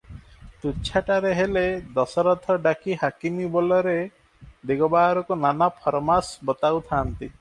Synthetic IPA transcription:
t̪ut͡ʃʰaʈaɾeɦeled̪ɔsɔɾɔt̪ʰɔɖakiɦakimibɔlɔɾe | d̪eɡɔbaɾɔkunanapʰɔɾɔmasbɔt̪awt̪ʰaːnt̪i

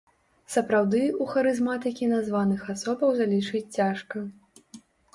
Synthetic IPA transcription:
sɐpɾawd̪ɨuxɐɾɨzmat̪ɨkʲinazvanɨxasɔbɐwzalʲit͡ʂɨt͡sʲt͡sʲaʂkɐ

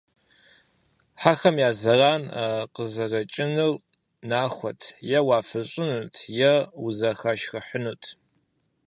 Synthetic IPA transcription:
ħaxɐmjaːzɐraːnaqəzɐrɐt͡ʃʼɪnɨr | naːxʷɔtʰjɛwaːfɨɕʼɪnuːtʰjɛuzɐxɐʃxɐħənuːtʰ

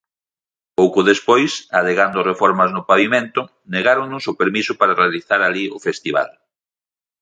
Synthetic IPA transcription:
powkʊðespojsaðeɣand̪ʊrefɔɾmɐznʊpaβimẽnt̪ʊ | neɣaɾoŋnʊsʊpeɾmisʊpaɾarealiθaɾaliʊfest̪iβa̰l

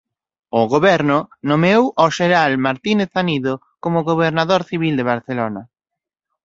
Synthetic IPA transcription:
ʊɣoβɛɾnʊnomewʔɔʃeɾalmaɾt̪ineθaniðo | komʊɣoβeɾnaðoɾθiβild̪eβ̞aɾθelonɐ

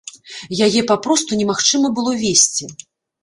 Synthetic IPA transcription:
jajɛpapɾɔst̪unʲɛmaxt͡ʂɨmɐbɨlˠɔvʲesʲt͡sʲi

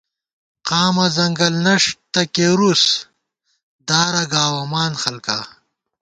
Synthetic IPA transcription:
qaːmɐzɐŋɡɐlnɐʂt̪ɐkeɾus | d̪aːɾɐɡaːwɐmaːnxɐlka

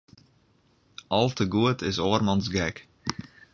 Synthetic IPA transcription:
ʔɑlˠtəɡuətʰɪsoərmɑnsɡɛk

